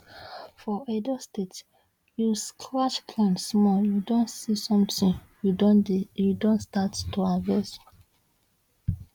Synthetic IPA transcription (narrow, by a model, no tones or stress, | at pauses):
fɔedɔstet | juskʰɹat͡ʃkʰlãnsmɔjudõnsisɔ̃mtĩn | judondijudõnstattuavɛs